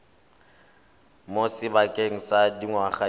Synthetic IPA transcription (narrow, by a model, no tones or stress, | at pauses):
mosɪbakʼeŋ̩sadiŋwaχa